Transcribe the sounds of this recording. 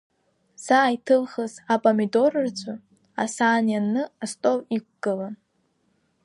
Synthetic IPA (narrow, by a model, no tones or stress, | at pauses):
z̥aːitʰɨlχəzapʼomido̞rɨrd͡zʷʰʼa | a̰saːnjanːɨastʼowik̚ʷɡ̥ɨlan